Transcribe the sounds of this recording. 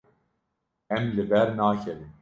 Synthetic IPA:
ɛmlɨbɛɾnaːkʰɛɾim

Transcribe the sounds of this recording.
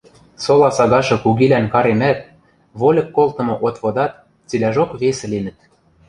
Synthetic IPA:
solɑsɑɣɑʃɤ̆kuɣilænkɑɾemæt̪ | βolʲɤ̆kːolt̪ɤ̆mŏʔot̪βod̪ɑt̪ | t͡silʲæʒokβesĕlinɘ̆t̪

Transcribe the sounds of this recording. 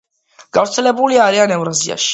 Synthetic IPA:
ɡ̥avɾt̪sʰɛlɛbuliaɾianɛvɾazia̰ʃi̥

